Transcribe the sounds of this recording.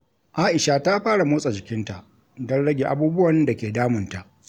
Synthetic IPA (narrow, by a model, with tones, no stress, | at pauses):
ʔaː˦ʔɪ˨ʃa˨ta˦ɸaː˦ɽa˨moː˦sʼa˨d͡ʒɪ˨kʲɪ˦nta˨ʔ | dɐ˦nɽɐ˦ɡʲeː˨ʔa˦buː˦bʊ˦wɐ˨n˦da˨kʲeː˨daː˦mɪ˨nta˨ʔ